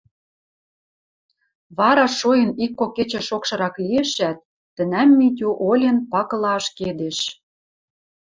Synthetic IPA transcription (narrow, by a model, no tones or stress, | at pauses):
βɑɾɑʃojə̆nikːokːet͡ɕĕʃokʃɤ̆ɾɑklieʃæt̪̚ː | ə̆næmːit̪̬ʲuʔolʲenpɑkɤ̆lɑʃked̪eʃ